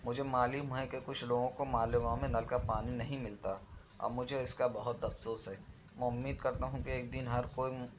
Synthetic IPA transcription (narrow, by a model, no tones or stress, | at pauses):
mʊd͡ʒʱemaːliɦũɦɛ̃kekʊt͡ʃʰloːɡõkomaːlɪɡãmẽnɐlkapaːninɐɦĩmɪlt̪a | ɔ̰mʊd͡ʒʱeɪskabɐɦʊt̪ɐfsoːsɦɛː | mɛ̃ʊmːiːd̪̚kɐɾt̪aɦũkieːk̚d̪ɪnɦɐɾkoːi